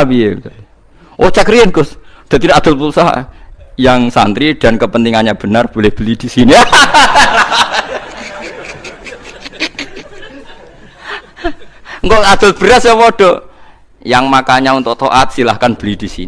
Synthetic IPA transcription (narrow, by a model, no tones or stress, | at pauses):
piet̪ | ʔot͡ʃakəɾiənɡ̥ʊsd̪̥a̤t̪inad̪̥ʊlpusa̰jaŋsa̰nt̪ɾid̪̥a̤nkəpənt̪iŋaɲab̥ə̤narb̥olɪhb̥əlid̪̥isinia | ŋkɔŋad̪̥ʊ̤lb̥ə̤ɾasəpoɖ̥ɔ | jaŋmakaɲaunt̪ʊʔt̪oʔat̪̚silahkanb̥ə̤lid̥̪i̤sḭn